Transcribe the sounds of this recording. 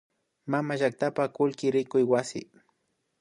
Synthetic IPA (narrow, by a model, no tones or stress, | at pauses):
mamaʒak̚t̪apakʊlkɪɾɪkʊjwasɪ̰